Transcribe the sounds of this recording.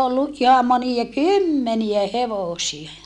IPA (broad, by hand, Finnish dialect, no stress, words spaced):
olːu ʔihɑm moniɑ kymːeniæ heʋoˑsie